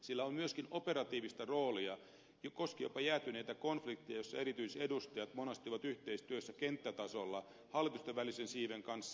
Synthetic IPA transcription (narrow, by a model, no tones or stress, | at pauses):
silːæommyøskinope̞ɾɑt̪iːʋist̪ɑroːliɑ | jokoskijopɑjæːt̪ynejt̪ækonflikt̪ːijɑjosːɑe̞ɾit̪yisedust̪ɑjɑt̪monɑst̪iʋɑt̪yht̪eist̪yøsːækent̪ːæt̪ɑsolːɑ | hɑlːˑit̪ust̪eʋʋælisensiːʋeŋkɑnsːɑ